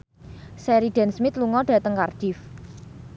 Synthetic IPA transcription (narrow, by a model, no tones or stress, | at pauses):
sɛɾiɖ̥ɛ̤nsmɪt̪luŋɔɖ̥ä̤t̪əŋkard̥ɪf